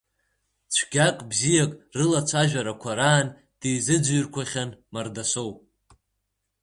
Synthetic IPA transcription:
t͡ʃʷʰɡʲakʼbzijakʼrɨlat͡ʃʷʰaʒᶣaɾakʷʰaɾaːn | d̥ejzɨd͡zʷɥʏrkʷʰaχʲanmardasowʼ

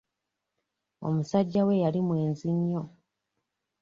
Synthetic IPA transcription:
o̞̰musaɟːawe̞jalimwe̞ːnziɲːo

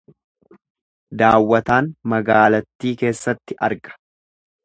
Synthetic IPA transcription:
d̪aːwːɐt̪aːnmɐɡaːlɐt̪ːiːke̞ːsːɐt̪ːɪʔɐɾɡɐ̥

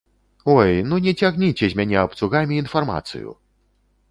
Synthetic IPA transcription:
ɔjnunʲɛt͡sʲaɣnʲit͡sʲɛzʲmʲanʲɛapt̪suɣamʲiːnfarma̰t̪sɨ̰jṵ

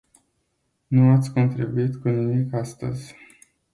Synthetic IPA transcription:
nuat̪sʲko̞nt̪ɾibuit̪kunimikast̪ə̰zʲ

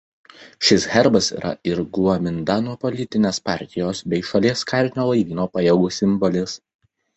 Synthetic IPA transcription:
ʃʲɪsɣʲɛɾbɐsḭːɾʔɐ̰ɪɾɡuɔmʲɪnd̪ɑːnuːpɔlʲɪt̪ʲɪnʲeːspɑˑɾʲt̪ʲɪjoːsbʲɛɪʃɐlʲiɛskɑɾʲnʲoːlˠɐɪʋʲiːnoːpɑjɛɡuːsʲɪmbɔlʲɪs

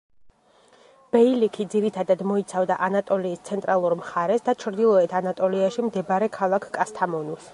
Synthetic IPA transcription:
b̥ɛilikʰid̪ziɾit̪ʰad̪ad̪mɔit̪sʰavd̪aʔanat̪ʼɔliːst̪sʰɛnt̪ʼɾʔalˠuɾmχaɾɛsd̪at͡ʃʰɾd̪ilˠɔɛt̪ʰanat̪ʼɔliaʃimd̪ɛbaɾɛkʰalˠakʰkʼast̪ʰamɔnus

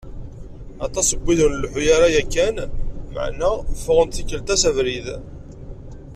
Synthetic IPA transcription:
ɑt̪ˤɑsəbʷːiðənlħujaɾajækːænmə̰ʕnæfəʁənt̪θikːəlt̪æsævɾið

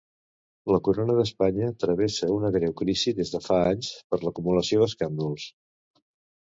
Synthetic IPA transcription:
ləkuɾonəðəspaɲət̪ɾəβ̞esəunəɣɾɛwkɾiziðezðəfaaɲspəɾləkumuləsioðəskand̪ulˠs

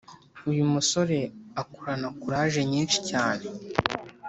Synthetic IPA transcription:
ujumuso̞ɾe̞akuɾanakuɾaːʒe̞ɲiːnʃi̥caːne̞

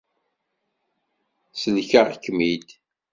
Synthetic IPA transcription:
səlçaʁkːmid̪

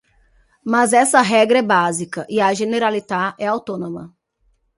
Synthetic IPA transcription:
mɐzɛsɐɦɛɡɾɐɛbazikɐʔiɐʒeneɾalit̪aɛawt̪õnõmɐ

